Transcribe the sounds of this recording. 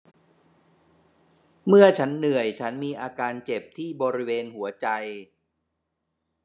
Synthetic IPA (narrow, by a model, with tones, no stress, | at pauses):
mɯ˥˩ɐt͡ɕʰa˦˥nːɯ˨˩əjt͡ɕʰa˦˥nmiː˧ʔaː˧kaː˧nt͡ɕe˨˩p̚t̪ʰiː˥˩bɔː˧ɾi˦˥weː˧nhu˩˦ɐt͡ɕa˧j